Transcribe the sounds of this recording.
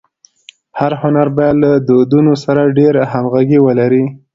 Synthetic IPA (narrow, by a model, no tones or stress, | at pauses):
haɾhʊnaɾbɑjad̪lad̪od̪unosaɾaɖeɾhamɣaɡiwəlaɾi